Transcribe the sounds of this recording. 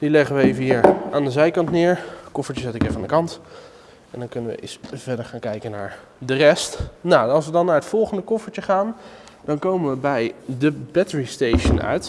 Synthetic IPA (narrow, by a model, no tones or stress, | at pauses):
d̥ilɛχənʋəejvəɦiːɹʔaːndəzɛjkɑntnɪːɹkɔfəɹt͡ʃəsɛtɪkɪfaːndəkɑnt | ɛndɑnkɵnənʋə̰ʔɪ̰sv̥ɛdəɹχaːnkɛjkəna̰ːɹ | dərɛstnawɑlˠsʋədɑnːaːɹɦətfɔlˠχəndəkɔfəɹt͡ʃəχaːndɑnkowmənʋəbɛjdəbɛtəɹistejʃənœ̰ɥt